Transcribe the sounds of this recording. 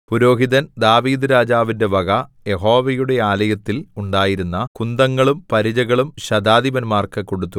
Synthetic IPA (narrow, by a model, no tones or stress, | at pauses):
puɾo̞ːɦiðɐnd̪aːʋiːd̪ɨɾaːd͡ʑaːʋinde̞ʋɐɡɐje̞ɦo̞ːʋɐjuɽe̞aːlɐjɐt̪ːiluɳɖaːjiɾunːɐkund̪ɐŋːɐɭumpɐɾid͡ʑɐɣɐɭumɕɐd̪aːd̪iʋɐnmaːrkɐko̞ɽut̪ːu